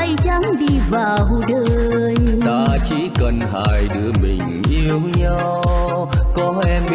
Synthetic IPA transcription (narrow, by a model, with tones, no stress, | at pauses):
ə˧jt͡ɕa˨˦ŋɗi˧vaː˨˩wɗəː˧˨˧jt̪aː˧t͡ɕi˨˦kə˧˩nɦa̰ː˧˩jɗɨ˨˦˥əmḭ̈˨˩ŋ̟ʔi˧əwɲa˧ww | kɔ˨˦ʔɛ˧mɓ